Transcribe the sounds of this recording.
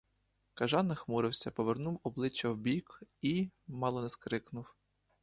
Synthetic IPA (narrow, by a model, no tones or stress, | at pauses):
kɐʒɑnːɪxmuɾɪwsʲɐpɔʋernuwɔblˠɪt͡ʃːɐwbʲikimɑlˠɔnɛskɾɪknʊw